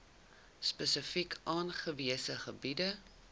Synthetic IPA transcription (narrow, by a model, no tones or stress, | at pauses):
spəsəfikʰʔɑːnχəviəsəχəbidə